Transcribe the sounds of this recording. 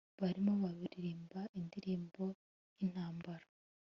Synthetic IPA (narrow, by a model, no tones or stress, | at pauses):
βaɾimoβaβiɾiɾiːmbaʔindiɾiːmbo̞ | in̥haːmbaɾa